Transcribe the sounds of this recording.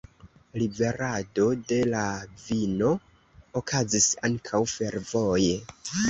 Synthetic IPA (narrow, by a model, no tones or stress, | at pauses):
libe̞ɾado̞de̞lavino̞ː | kʰazisa̰ŋkʰawfe̞ɾvo̞je